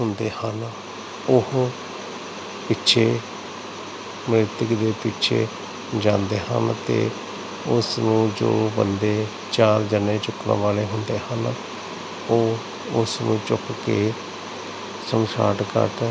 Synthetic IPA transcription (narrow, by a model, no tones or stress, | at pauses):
ɦʊnd̪eːhən | ʊɦ | pɪtːʃʰeː | mɾɪt̪ɪkd̪eːpɪtːʃʰḛː | d͡ʒãːnd̪eːhə̰nt̪ḛː | ʊsnũːd͡ʒo̰ːbə̰nd̪eː | t͡ʃaːɾd͡ʒənẽːt͡ʃʊknə̰̃ʋaːleːɦʊnd̪eːhən | oː | ʊsnũːt͡ʃʊkkeː | səmsa̰ːʈkə̰ʈ